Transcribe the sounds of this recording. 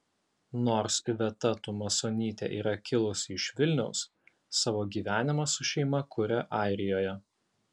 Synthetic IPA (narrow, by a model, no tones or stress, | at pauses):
noːɾsʋʲɛt̪ɐt̪ʊmɐsoːnʲiːt̪ʲḛʔiːɾɐkʲɪlˠʊsʲɪʃʋʲɪlʲnʲɛʊsː | ɑːʋoːɡʲiːʋʲæːnʲɪmɐsʊʃʲɛɪmɐkʰʊɾʲɛʔɑˑɪɾʲɪjoːjɛ